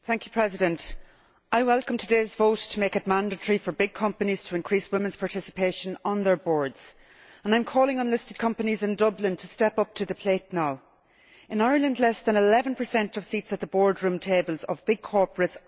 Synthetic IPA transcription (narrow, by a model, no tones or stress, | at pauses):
θæ̃ŋkʰjəpʰɹ̥ɛzɪdə̃nt | aɪwɛlˠkə̃mtʰədeɪzvoʊtʰəmeɪkəd̚mãndətɹ̥ifə˞bɪɡ̚kʰʌ̃mpəniz̥tʰəɪ̃nkʰɹ̥iswɪ̃mə̃nz̥pʰaɹtʰɪsɪ̥pʰeɪʃə̃nə̃nðə˞bɔːɹdz̥ | ə̃nãɪ̃mkʰɔːlɪ̃ŋə̃nlɪstɪd̚kʰʌ̃mpənizɪ̃ndʌblɪ̃ntʰəstɛpʌp̚tʰəðəpʰl̥eɪtnaʊ | ɪ̃naɪə˞lə̃ndlɛsðə̃nɪlɛvə̃npʰə˞sɛ̃ntʌv̥sitsət̪̚ðəbɔːɹdɹʉ̃ːmtʰeɪbəlˠzəvbɪɡ̚kʰɔɹpəɹəts